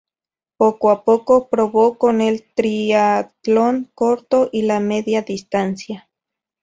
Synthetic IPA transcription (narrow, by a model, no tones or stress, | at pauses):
pokʷoapokokɾoβokonelt̪ɾiat̪loŋkoɾt̪oʔilameðjaðist̪ansja